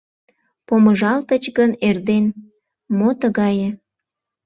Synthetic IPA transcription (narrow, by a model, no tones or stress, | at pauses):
poməʒɑlt̪ət͡ɕɣənerd̪en | mot̪əɣɑjə̆